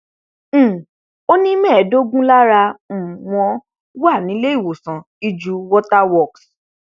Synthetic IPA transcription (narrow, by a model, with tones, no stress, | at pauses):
o˦nĩ˦mɛ̃ː˦˨˦do˦ɡũ˦la˦ɾa˧m̩˨w̃ɔ̃˧˦ | wa˦˨nĩ˨˦le˦i˦˨wo˨sã˨ | i˧d͡ʒu˨˦wɔ˦ta˦wɔ˦˨ks